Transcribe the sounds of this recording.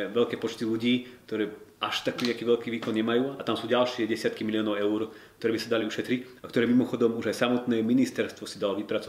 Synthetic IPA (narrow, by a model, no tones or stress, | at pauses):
ɛʋɛʎkɛːpɔt͡ʃt̪iʎuɟiːk̚t̪ɔɾɛːʔaʃt̪akːɲakiːʋɛʎkiːʋiːkɔnɲɛmajuːat̪amsuːɟalʃɪɛɟɛsɪat̪kimiliɔːnɔʊɛuɾkkt̪ɔɾɛːbisad̪aliuʃɛt̪ɾicakt̪ɔɾɛːmimɔxɔd̪ɔmuʒajsamɔt̪nɛːminist̪ɛɾst̪ʋɔsid̪alɔʋipɾat͡sɔ